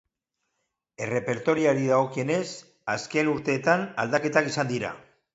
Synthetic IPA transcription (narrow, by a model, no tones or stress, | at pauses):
e̞re̞pe̞ɾt̪o̞ɾiaɾiðaɣo̞kie̞ne̞s | aske̞nuɾt̪e̞ːt̪ana̰ld̪ake̞t̪akisand̪iɾa̰